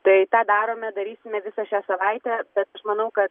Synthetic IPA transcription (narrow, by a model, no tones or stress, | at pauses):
t̪ɐɪt̪ɑːd̪ɑːɾoːmʲɛd̪ɐɾʲiːsʲɪmʲɛʋʲɪsɐʃʲæːsɐʋɐɪt̪ʲæːb̥ʲɛt̪ɐʃmɐnɐʊkɐt̪